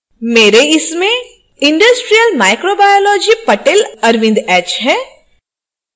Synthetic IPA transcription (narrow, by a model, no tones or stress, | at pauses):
meːɾeɪsmẽ | ɪ̃ɳɖəsʈɾijəlmaːɪkɾobaːjoːlɔːd͡ʒipɐʈelɐɾʋɪ̃nd̪ɛːt͡ʃɦɛ̃ː